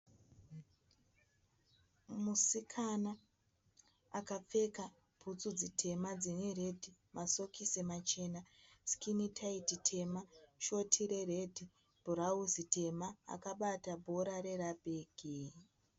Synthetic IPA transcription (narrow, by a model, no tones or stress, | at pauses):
musikʰana | kap͡fe̞ka | b̥ʱut͡sud͡zitʰe̞mad͡zinere̞dʱi | maso̞kisemat͡ʃe̞naskʰinitʰaititʰe̞maʃo̞tʰiɾe̞re̞dʱi | b̥ʱuɾauzite̞maa̰kaɓatabʱo̞ɾaɾe̞rabʱeːɡ̥ʱi